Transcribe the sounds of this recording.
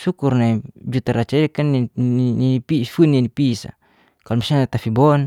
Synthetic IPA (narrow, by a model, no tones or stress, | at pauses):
sukurnaid͡ʒut̪aɾat͡ʃaikan | ipifunːinipisa̰ | kalɔmisaat̪afibɔn